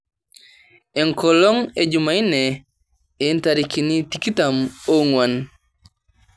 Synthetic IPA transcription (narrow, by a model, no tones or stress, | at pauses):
ɛŋkɔlɔŋed͡ʒumainɛ | entaɾikinitikitamoŋwan